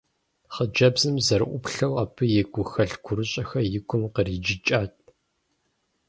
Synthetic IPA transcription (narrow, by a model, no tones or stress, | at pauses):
χəd͡ʒɐbzɨmzɐɾʔʷʊpɬɐwaːpʰɨjɛɡʷʊxɐɮɡʷʰʊɾɨɕʼɐxɐjɪɡʷʰʊmqəriːd͡ʒɪt͡ʃʼaːt̚ʰʼ